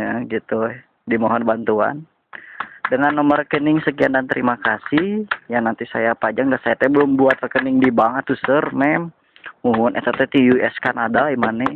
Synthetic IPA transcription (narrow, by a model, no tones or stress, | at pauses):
aɡit̪u | dimaɦɔnbant̪ua̰n | dəŋanːɔmərəkənɪŋsəkiandant̪əɾimakasɪhjanant̪isa̰japad͡ʒaŋdasajat̪aɛbəlʊmbuat̪rəkənɪŋdibaŋət̪ːusərmɛm | muɦʊnʔɛt̪at̪ɛt̪ijuɛskanadaimanɛ